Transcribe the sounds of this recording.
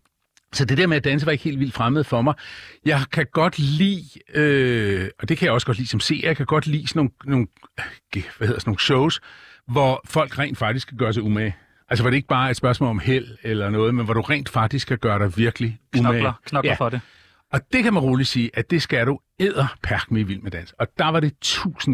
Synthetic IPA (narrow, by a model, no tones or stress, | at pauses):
sɒ̽d̥e̝d̥eɐmeæd̥ænsəʋɑ̈eɡ̥he̝̰ːldʋild̥fʁaməð̩ˠfɒ̽mɑ̈ɪjɑ̈ɪkʰæɡ̥ɒ̽d̥lḭːøɒ̽d̥e̝kʰæjɑ̈ɒ̽səɡ̥ɒ̽d̥lḭːsɒ̽mse̝̰ːjjɑɪkʰæɡ̥ɒ̽d̥lḭːsnono̝ːn̩ɡ̥eʋæheðˠɐsno̝ːn̩ɕoʊsʋɒfɒ̽l̰ɡ̥ʁɛ̰ːnd̥fɑ̈ɡ̥d̥isɡ̥kʰæɡ̥ɶɐs̬ɑumæ | ʔælsəʋɑ̈ɾee̝ɡ̥ə̥b̥ɑ̈ːe̝d̥spɶɐsmɔ̰̽ːlɒ̽mhel̰elɐnɔ̽ːðˠmenʋɒɾ̥uʁɛ̰ːnd̥fɑ̈ɡ̥̚d̥isɡ̥kʰːæɡ̥ɶːɐɾɑ̈ɪʋiɐɡ̥əliuækʰnɡæde | ɒ̽d̥e̝kʰæmænʁo̝ːli̥siːʔæd̥e̝sɡ̥æɾ̥u | eð̰ˠɐpʰæɐɡ̥miiʋil̰mːed̥æn̰sɡ̥ɒ̽d̥ɑ̈ʋɑ̈ɾe̝t͡sʰṵːsn̩